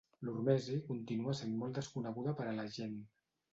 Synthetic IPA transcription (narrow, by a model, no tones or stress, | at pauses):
lurmɛzikunt̪inuasenmɔlˠd̪əskunəɣuðəpəɾələʒen